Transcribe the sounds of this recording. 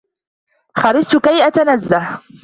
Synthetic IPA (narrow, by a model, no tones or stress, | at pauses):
xɑɾɪsˤt̪ʊkajʔat̪anazːah